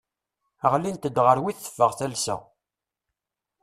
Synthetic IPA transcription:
əʁlint̪əd̪ːʁəɾwiθə̥fːəʁθælsə̰ʁ

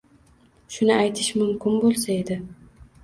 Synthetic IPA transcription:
ʃʊnɪajt̪ʰɪʃmʊmkʲɪnbolˠsae̞d̪ɪ

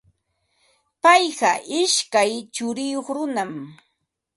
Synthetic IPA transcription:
pajɢɑʔɪʃkajt͡ʃʊɾɪjoχɾʊnam

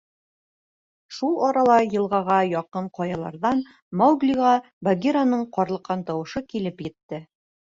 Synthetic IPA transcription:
ʃulˠɒɾɑlˠɑjɤ̆lˠʁɑʁɑjɒqɤɴqɒjɑlˠɑ̰ɾðɑn | mawɡliʁɑ | baɡʲiɾanɤɴqɒɾlˠɤ̆qːɑnt̪ɒwɤ̆ʃɤkilɘpjɘ̆t̪ːɘ

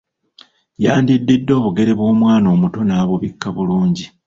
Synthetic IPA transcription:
jaːndidːedːo̞ːβuɡe̞ɾeβwo̞ːmwaːno̞ːmuto̞naːβoβikʰːaβuluːɲɟi

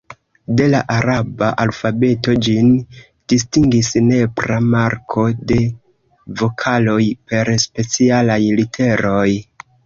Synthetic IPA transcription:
de̞laʔaɾabaʔalfabe̞to̞d͡ʒin | d̥istiŋɡisne̞bɾamaɾkʰo̞de̞ | vo̞kʰalo̞jpe̞ɾspe̞t͡sialajlitʰe̞ɾo̞j

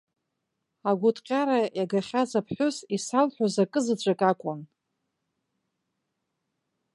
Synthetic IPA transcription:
aɡʷʊtʼqʲʼaɾajaɡaχʲazapʰħʷʊsisalħʷᶣozakʼɨzɨd͡ʒʷʰʼakʼakʷʼʊn

